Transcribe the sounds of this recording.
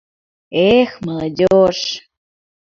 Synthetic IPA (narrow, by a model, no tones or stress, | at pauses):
exməlɐdʲoʃ